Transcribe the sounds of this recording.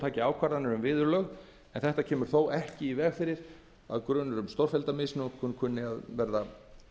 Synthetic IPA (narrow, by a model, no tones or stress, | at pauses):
t̪ʰaːcɪaːwkʰaɾðanʏɾʏmvɪːðʏɾlœɣ | ɛnθɛht̪acʰɛːmʏɾ̥θowʔɛhcɪivɛːɣfɪːɾɪɾ̥ | a̰ðkɾœːnʏɾʏmst̪owɾ̥fɛlt̪amɪsnʏkʰʏkʰʏnːɪaðvɛɾða